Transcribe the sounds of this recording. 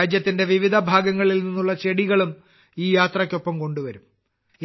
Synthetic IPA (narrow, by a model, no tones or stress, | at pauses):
d͡ʑjɐt̪ːinde̞ʋiʋid̪ʱɐbʱaːɡɐŋːɐɭilninːuɭːɐt͡ɕeɽiɣɐɭum | iːjaːt̪rɐkʲːo̞pːɐmko̞ɳɖuʋɐɾum